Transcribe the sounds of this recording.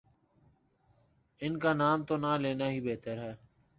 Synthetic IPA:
ɪnkaːnaːmt̪oːnaːleːnaːɦiːbeːt̪əɾɦɛː

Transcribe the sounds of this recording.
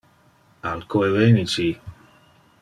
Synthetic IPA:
alkoevenit͡ʃi

